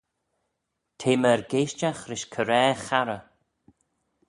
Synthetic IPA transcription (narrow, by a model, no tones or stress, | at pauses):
tʰeːməɹɡeːʃt͡ʃaxɾɪʃkʰəɾɛːxaɾə